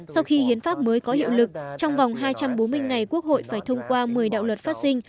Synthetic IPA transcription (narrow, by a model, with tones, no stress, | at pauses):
sa˧wxi˧hḭ˨˧˦ənfaː˦˥p̚məː˨˦jkɔ˨˦hḭ˧˨wlɨ˨˩k̚t͡ɕɔ˧wŋ͡mva˨˩wŋ͡mɦaː˧jt͡ɕa˧mɓo˨˦nmɨ˧əjŋa˨˩jku˦˥ək̚ho̰˧˨jfaː˧˩jt̪ʰə˧wŋ͡mkwaː˧mɨ˨˩əjɗa̰ː˧˨wlwə˨˩t̚faː˦˥t̚si˧ŋ̟